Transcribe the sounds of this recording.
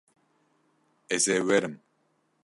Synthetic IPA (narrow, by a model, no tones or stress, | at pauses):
ɛzeːwɛɾɨm